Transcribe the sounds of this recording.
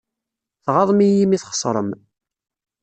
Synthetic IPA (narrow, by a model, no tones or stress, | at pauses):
θʁɑðˤmijimiθχə̥sˤɾˤəm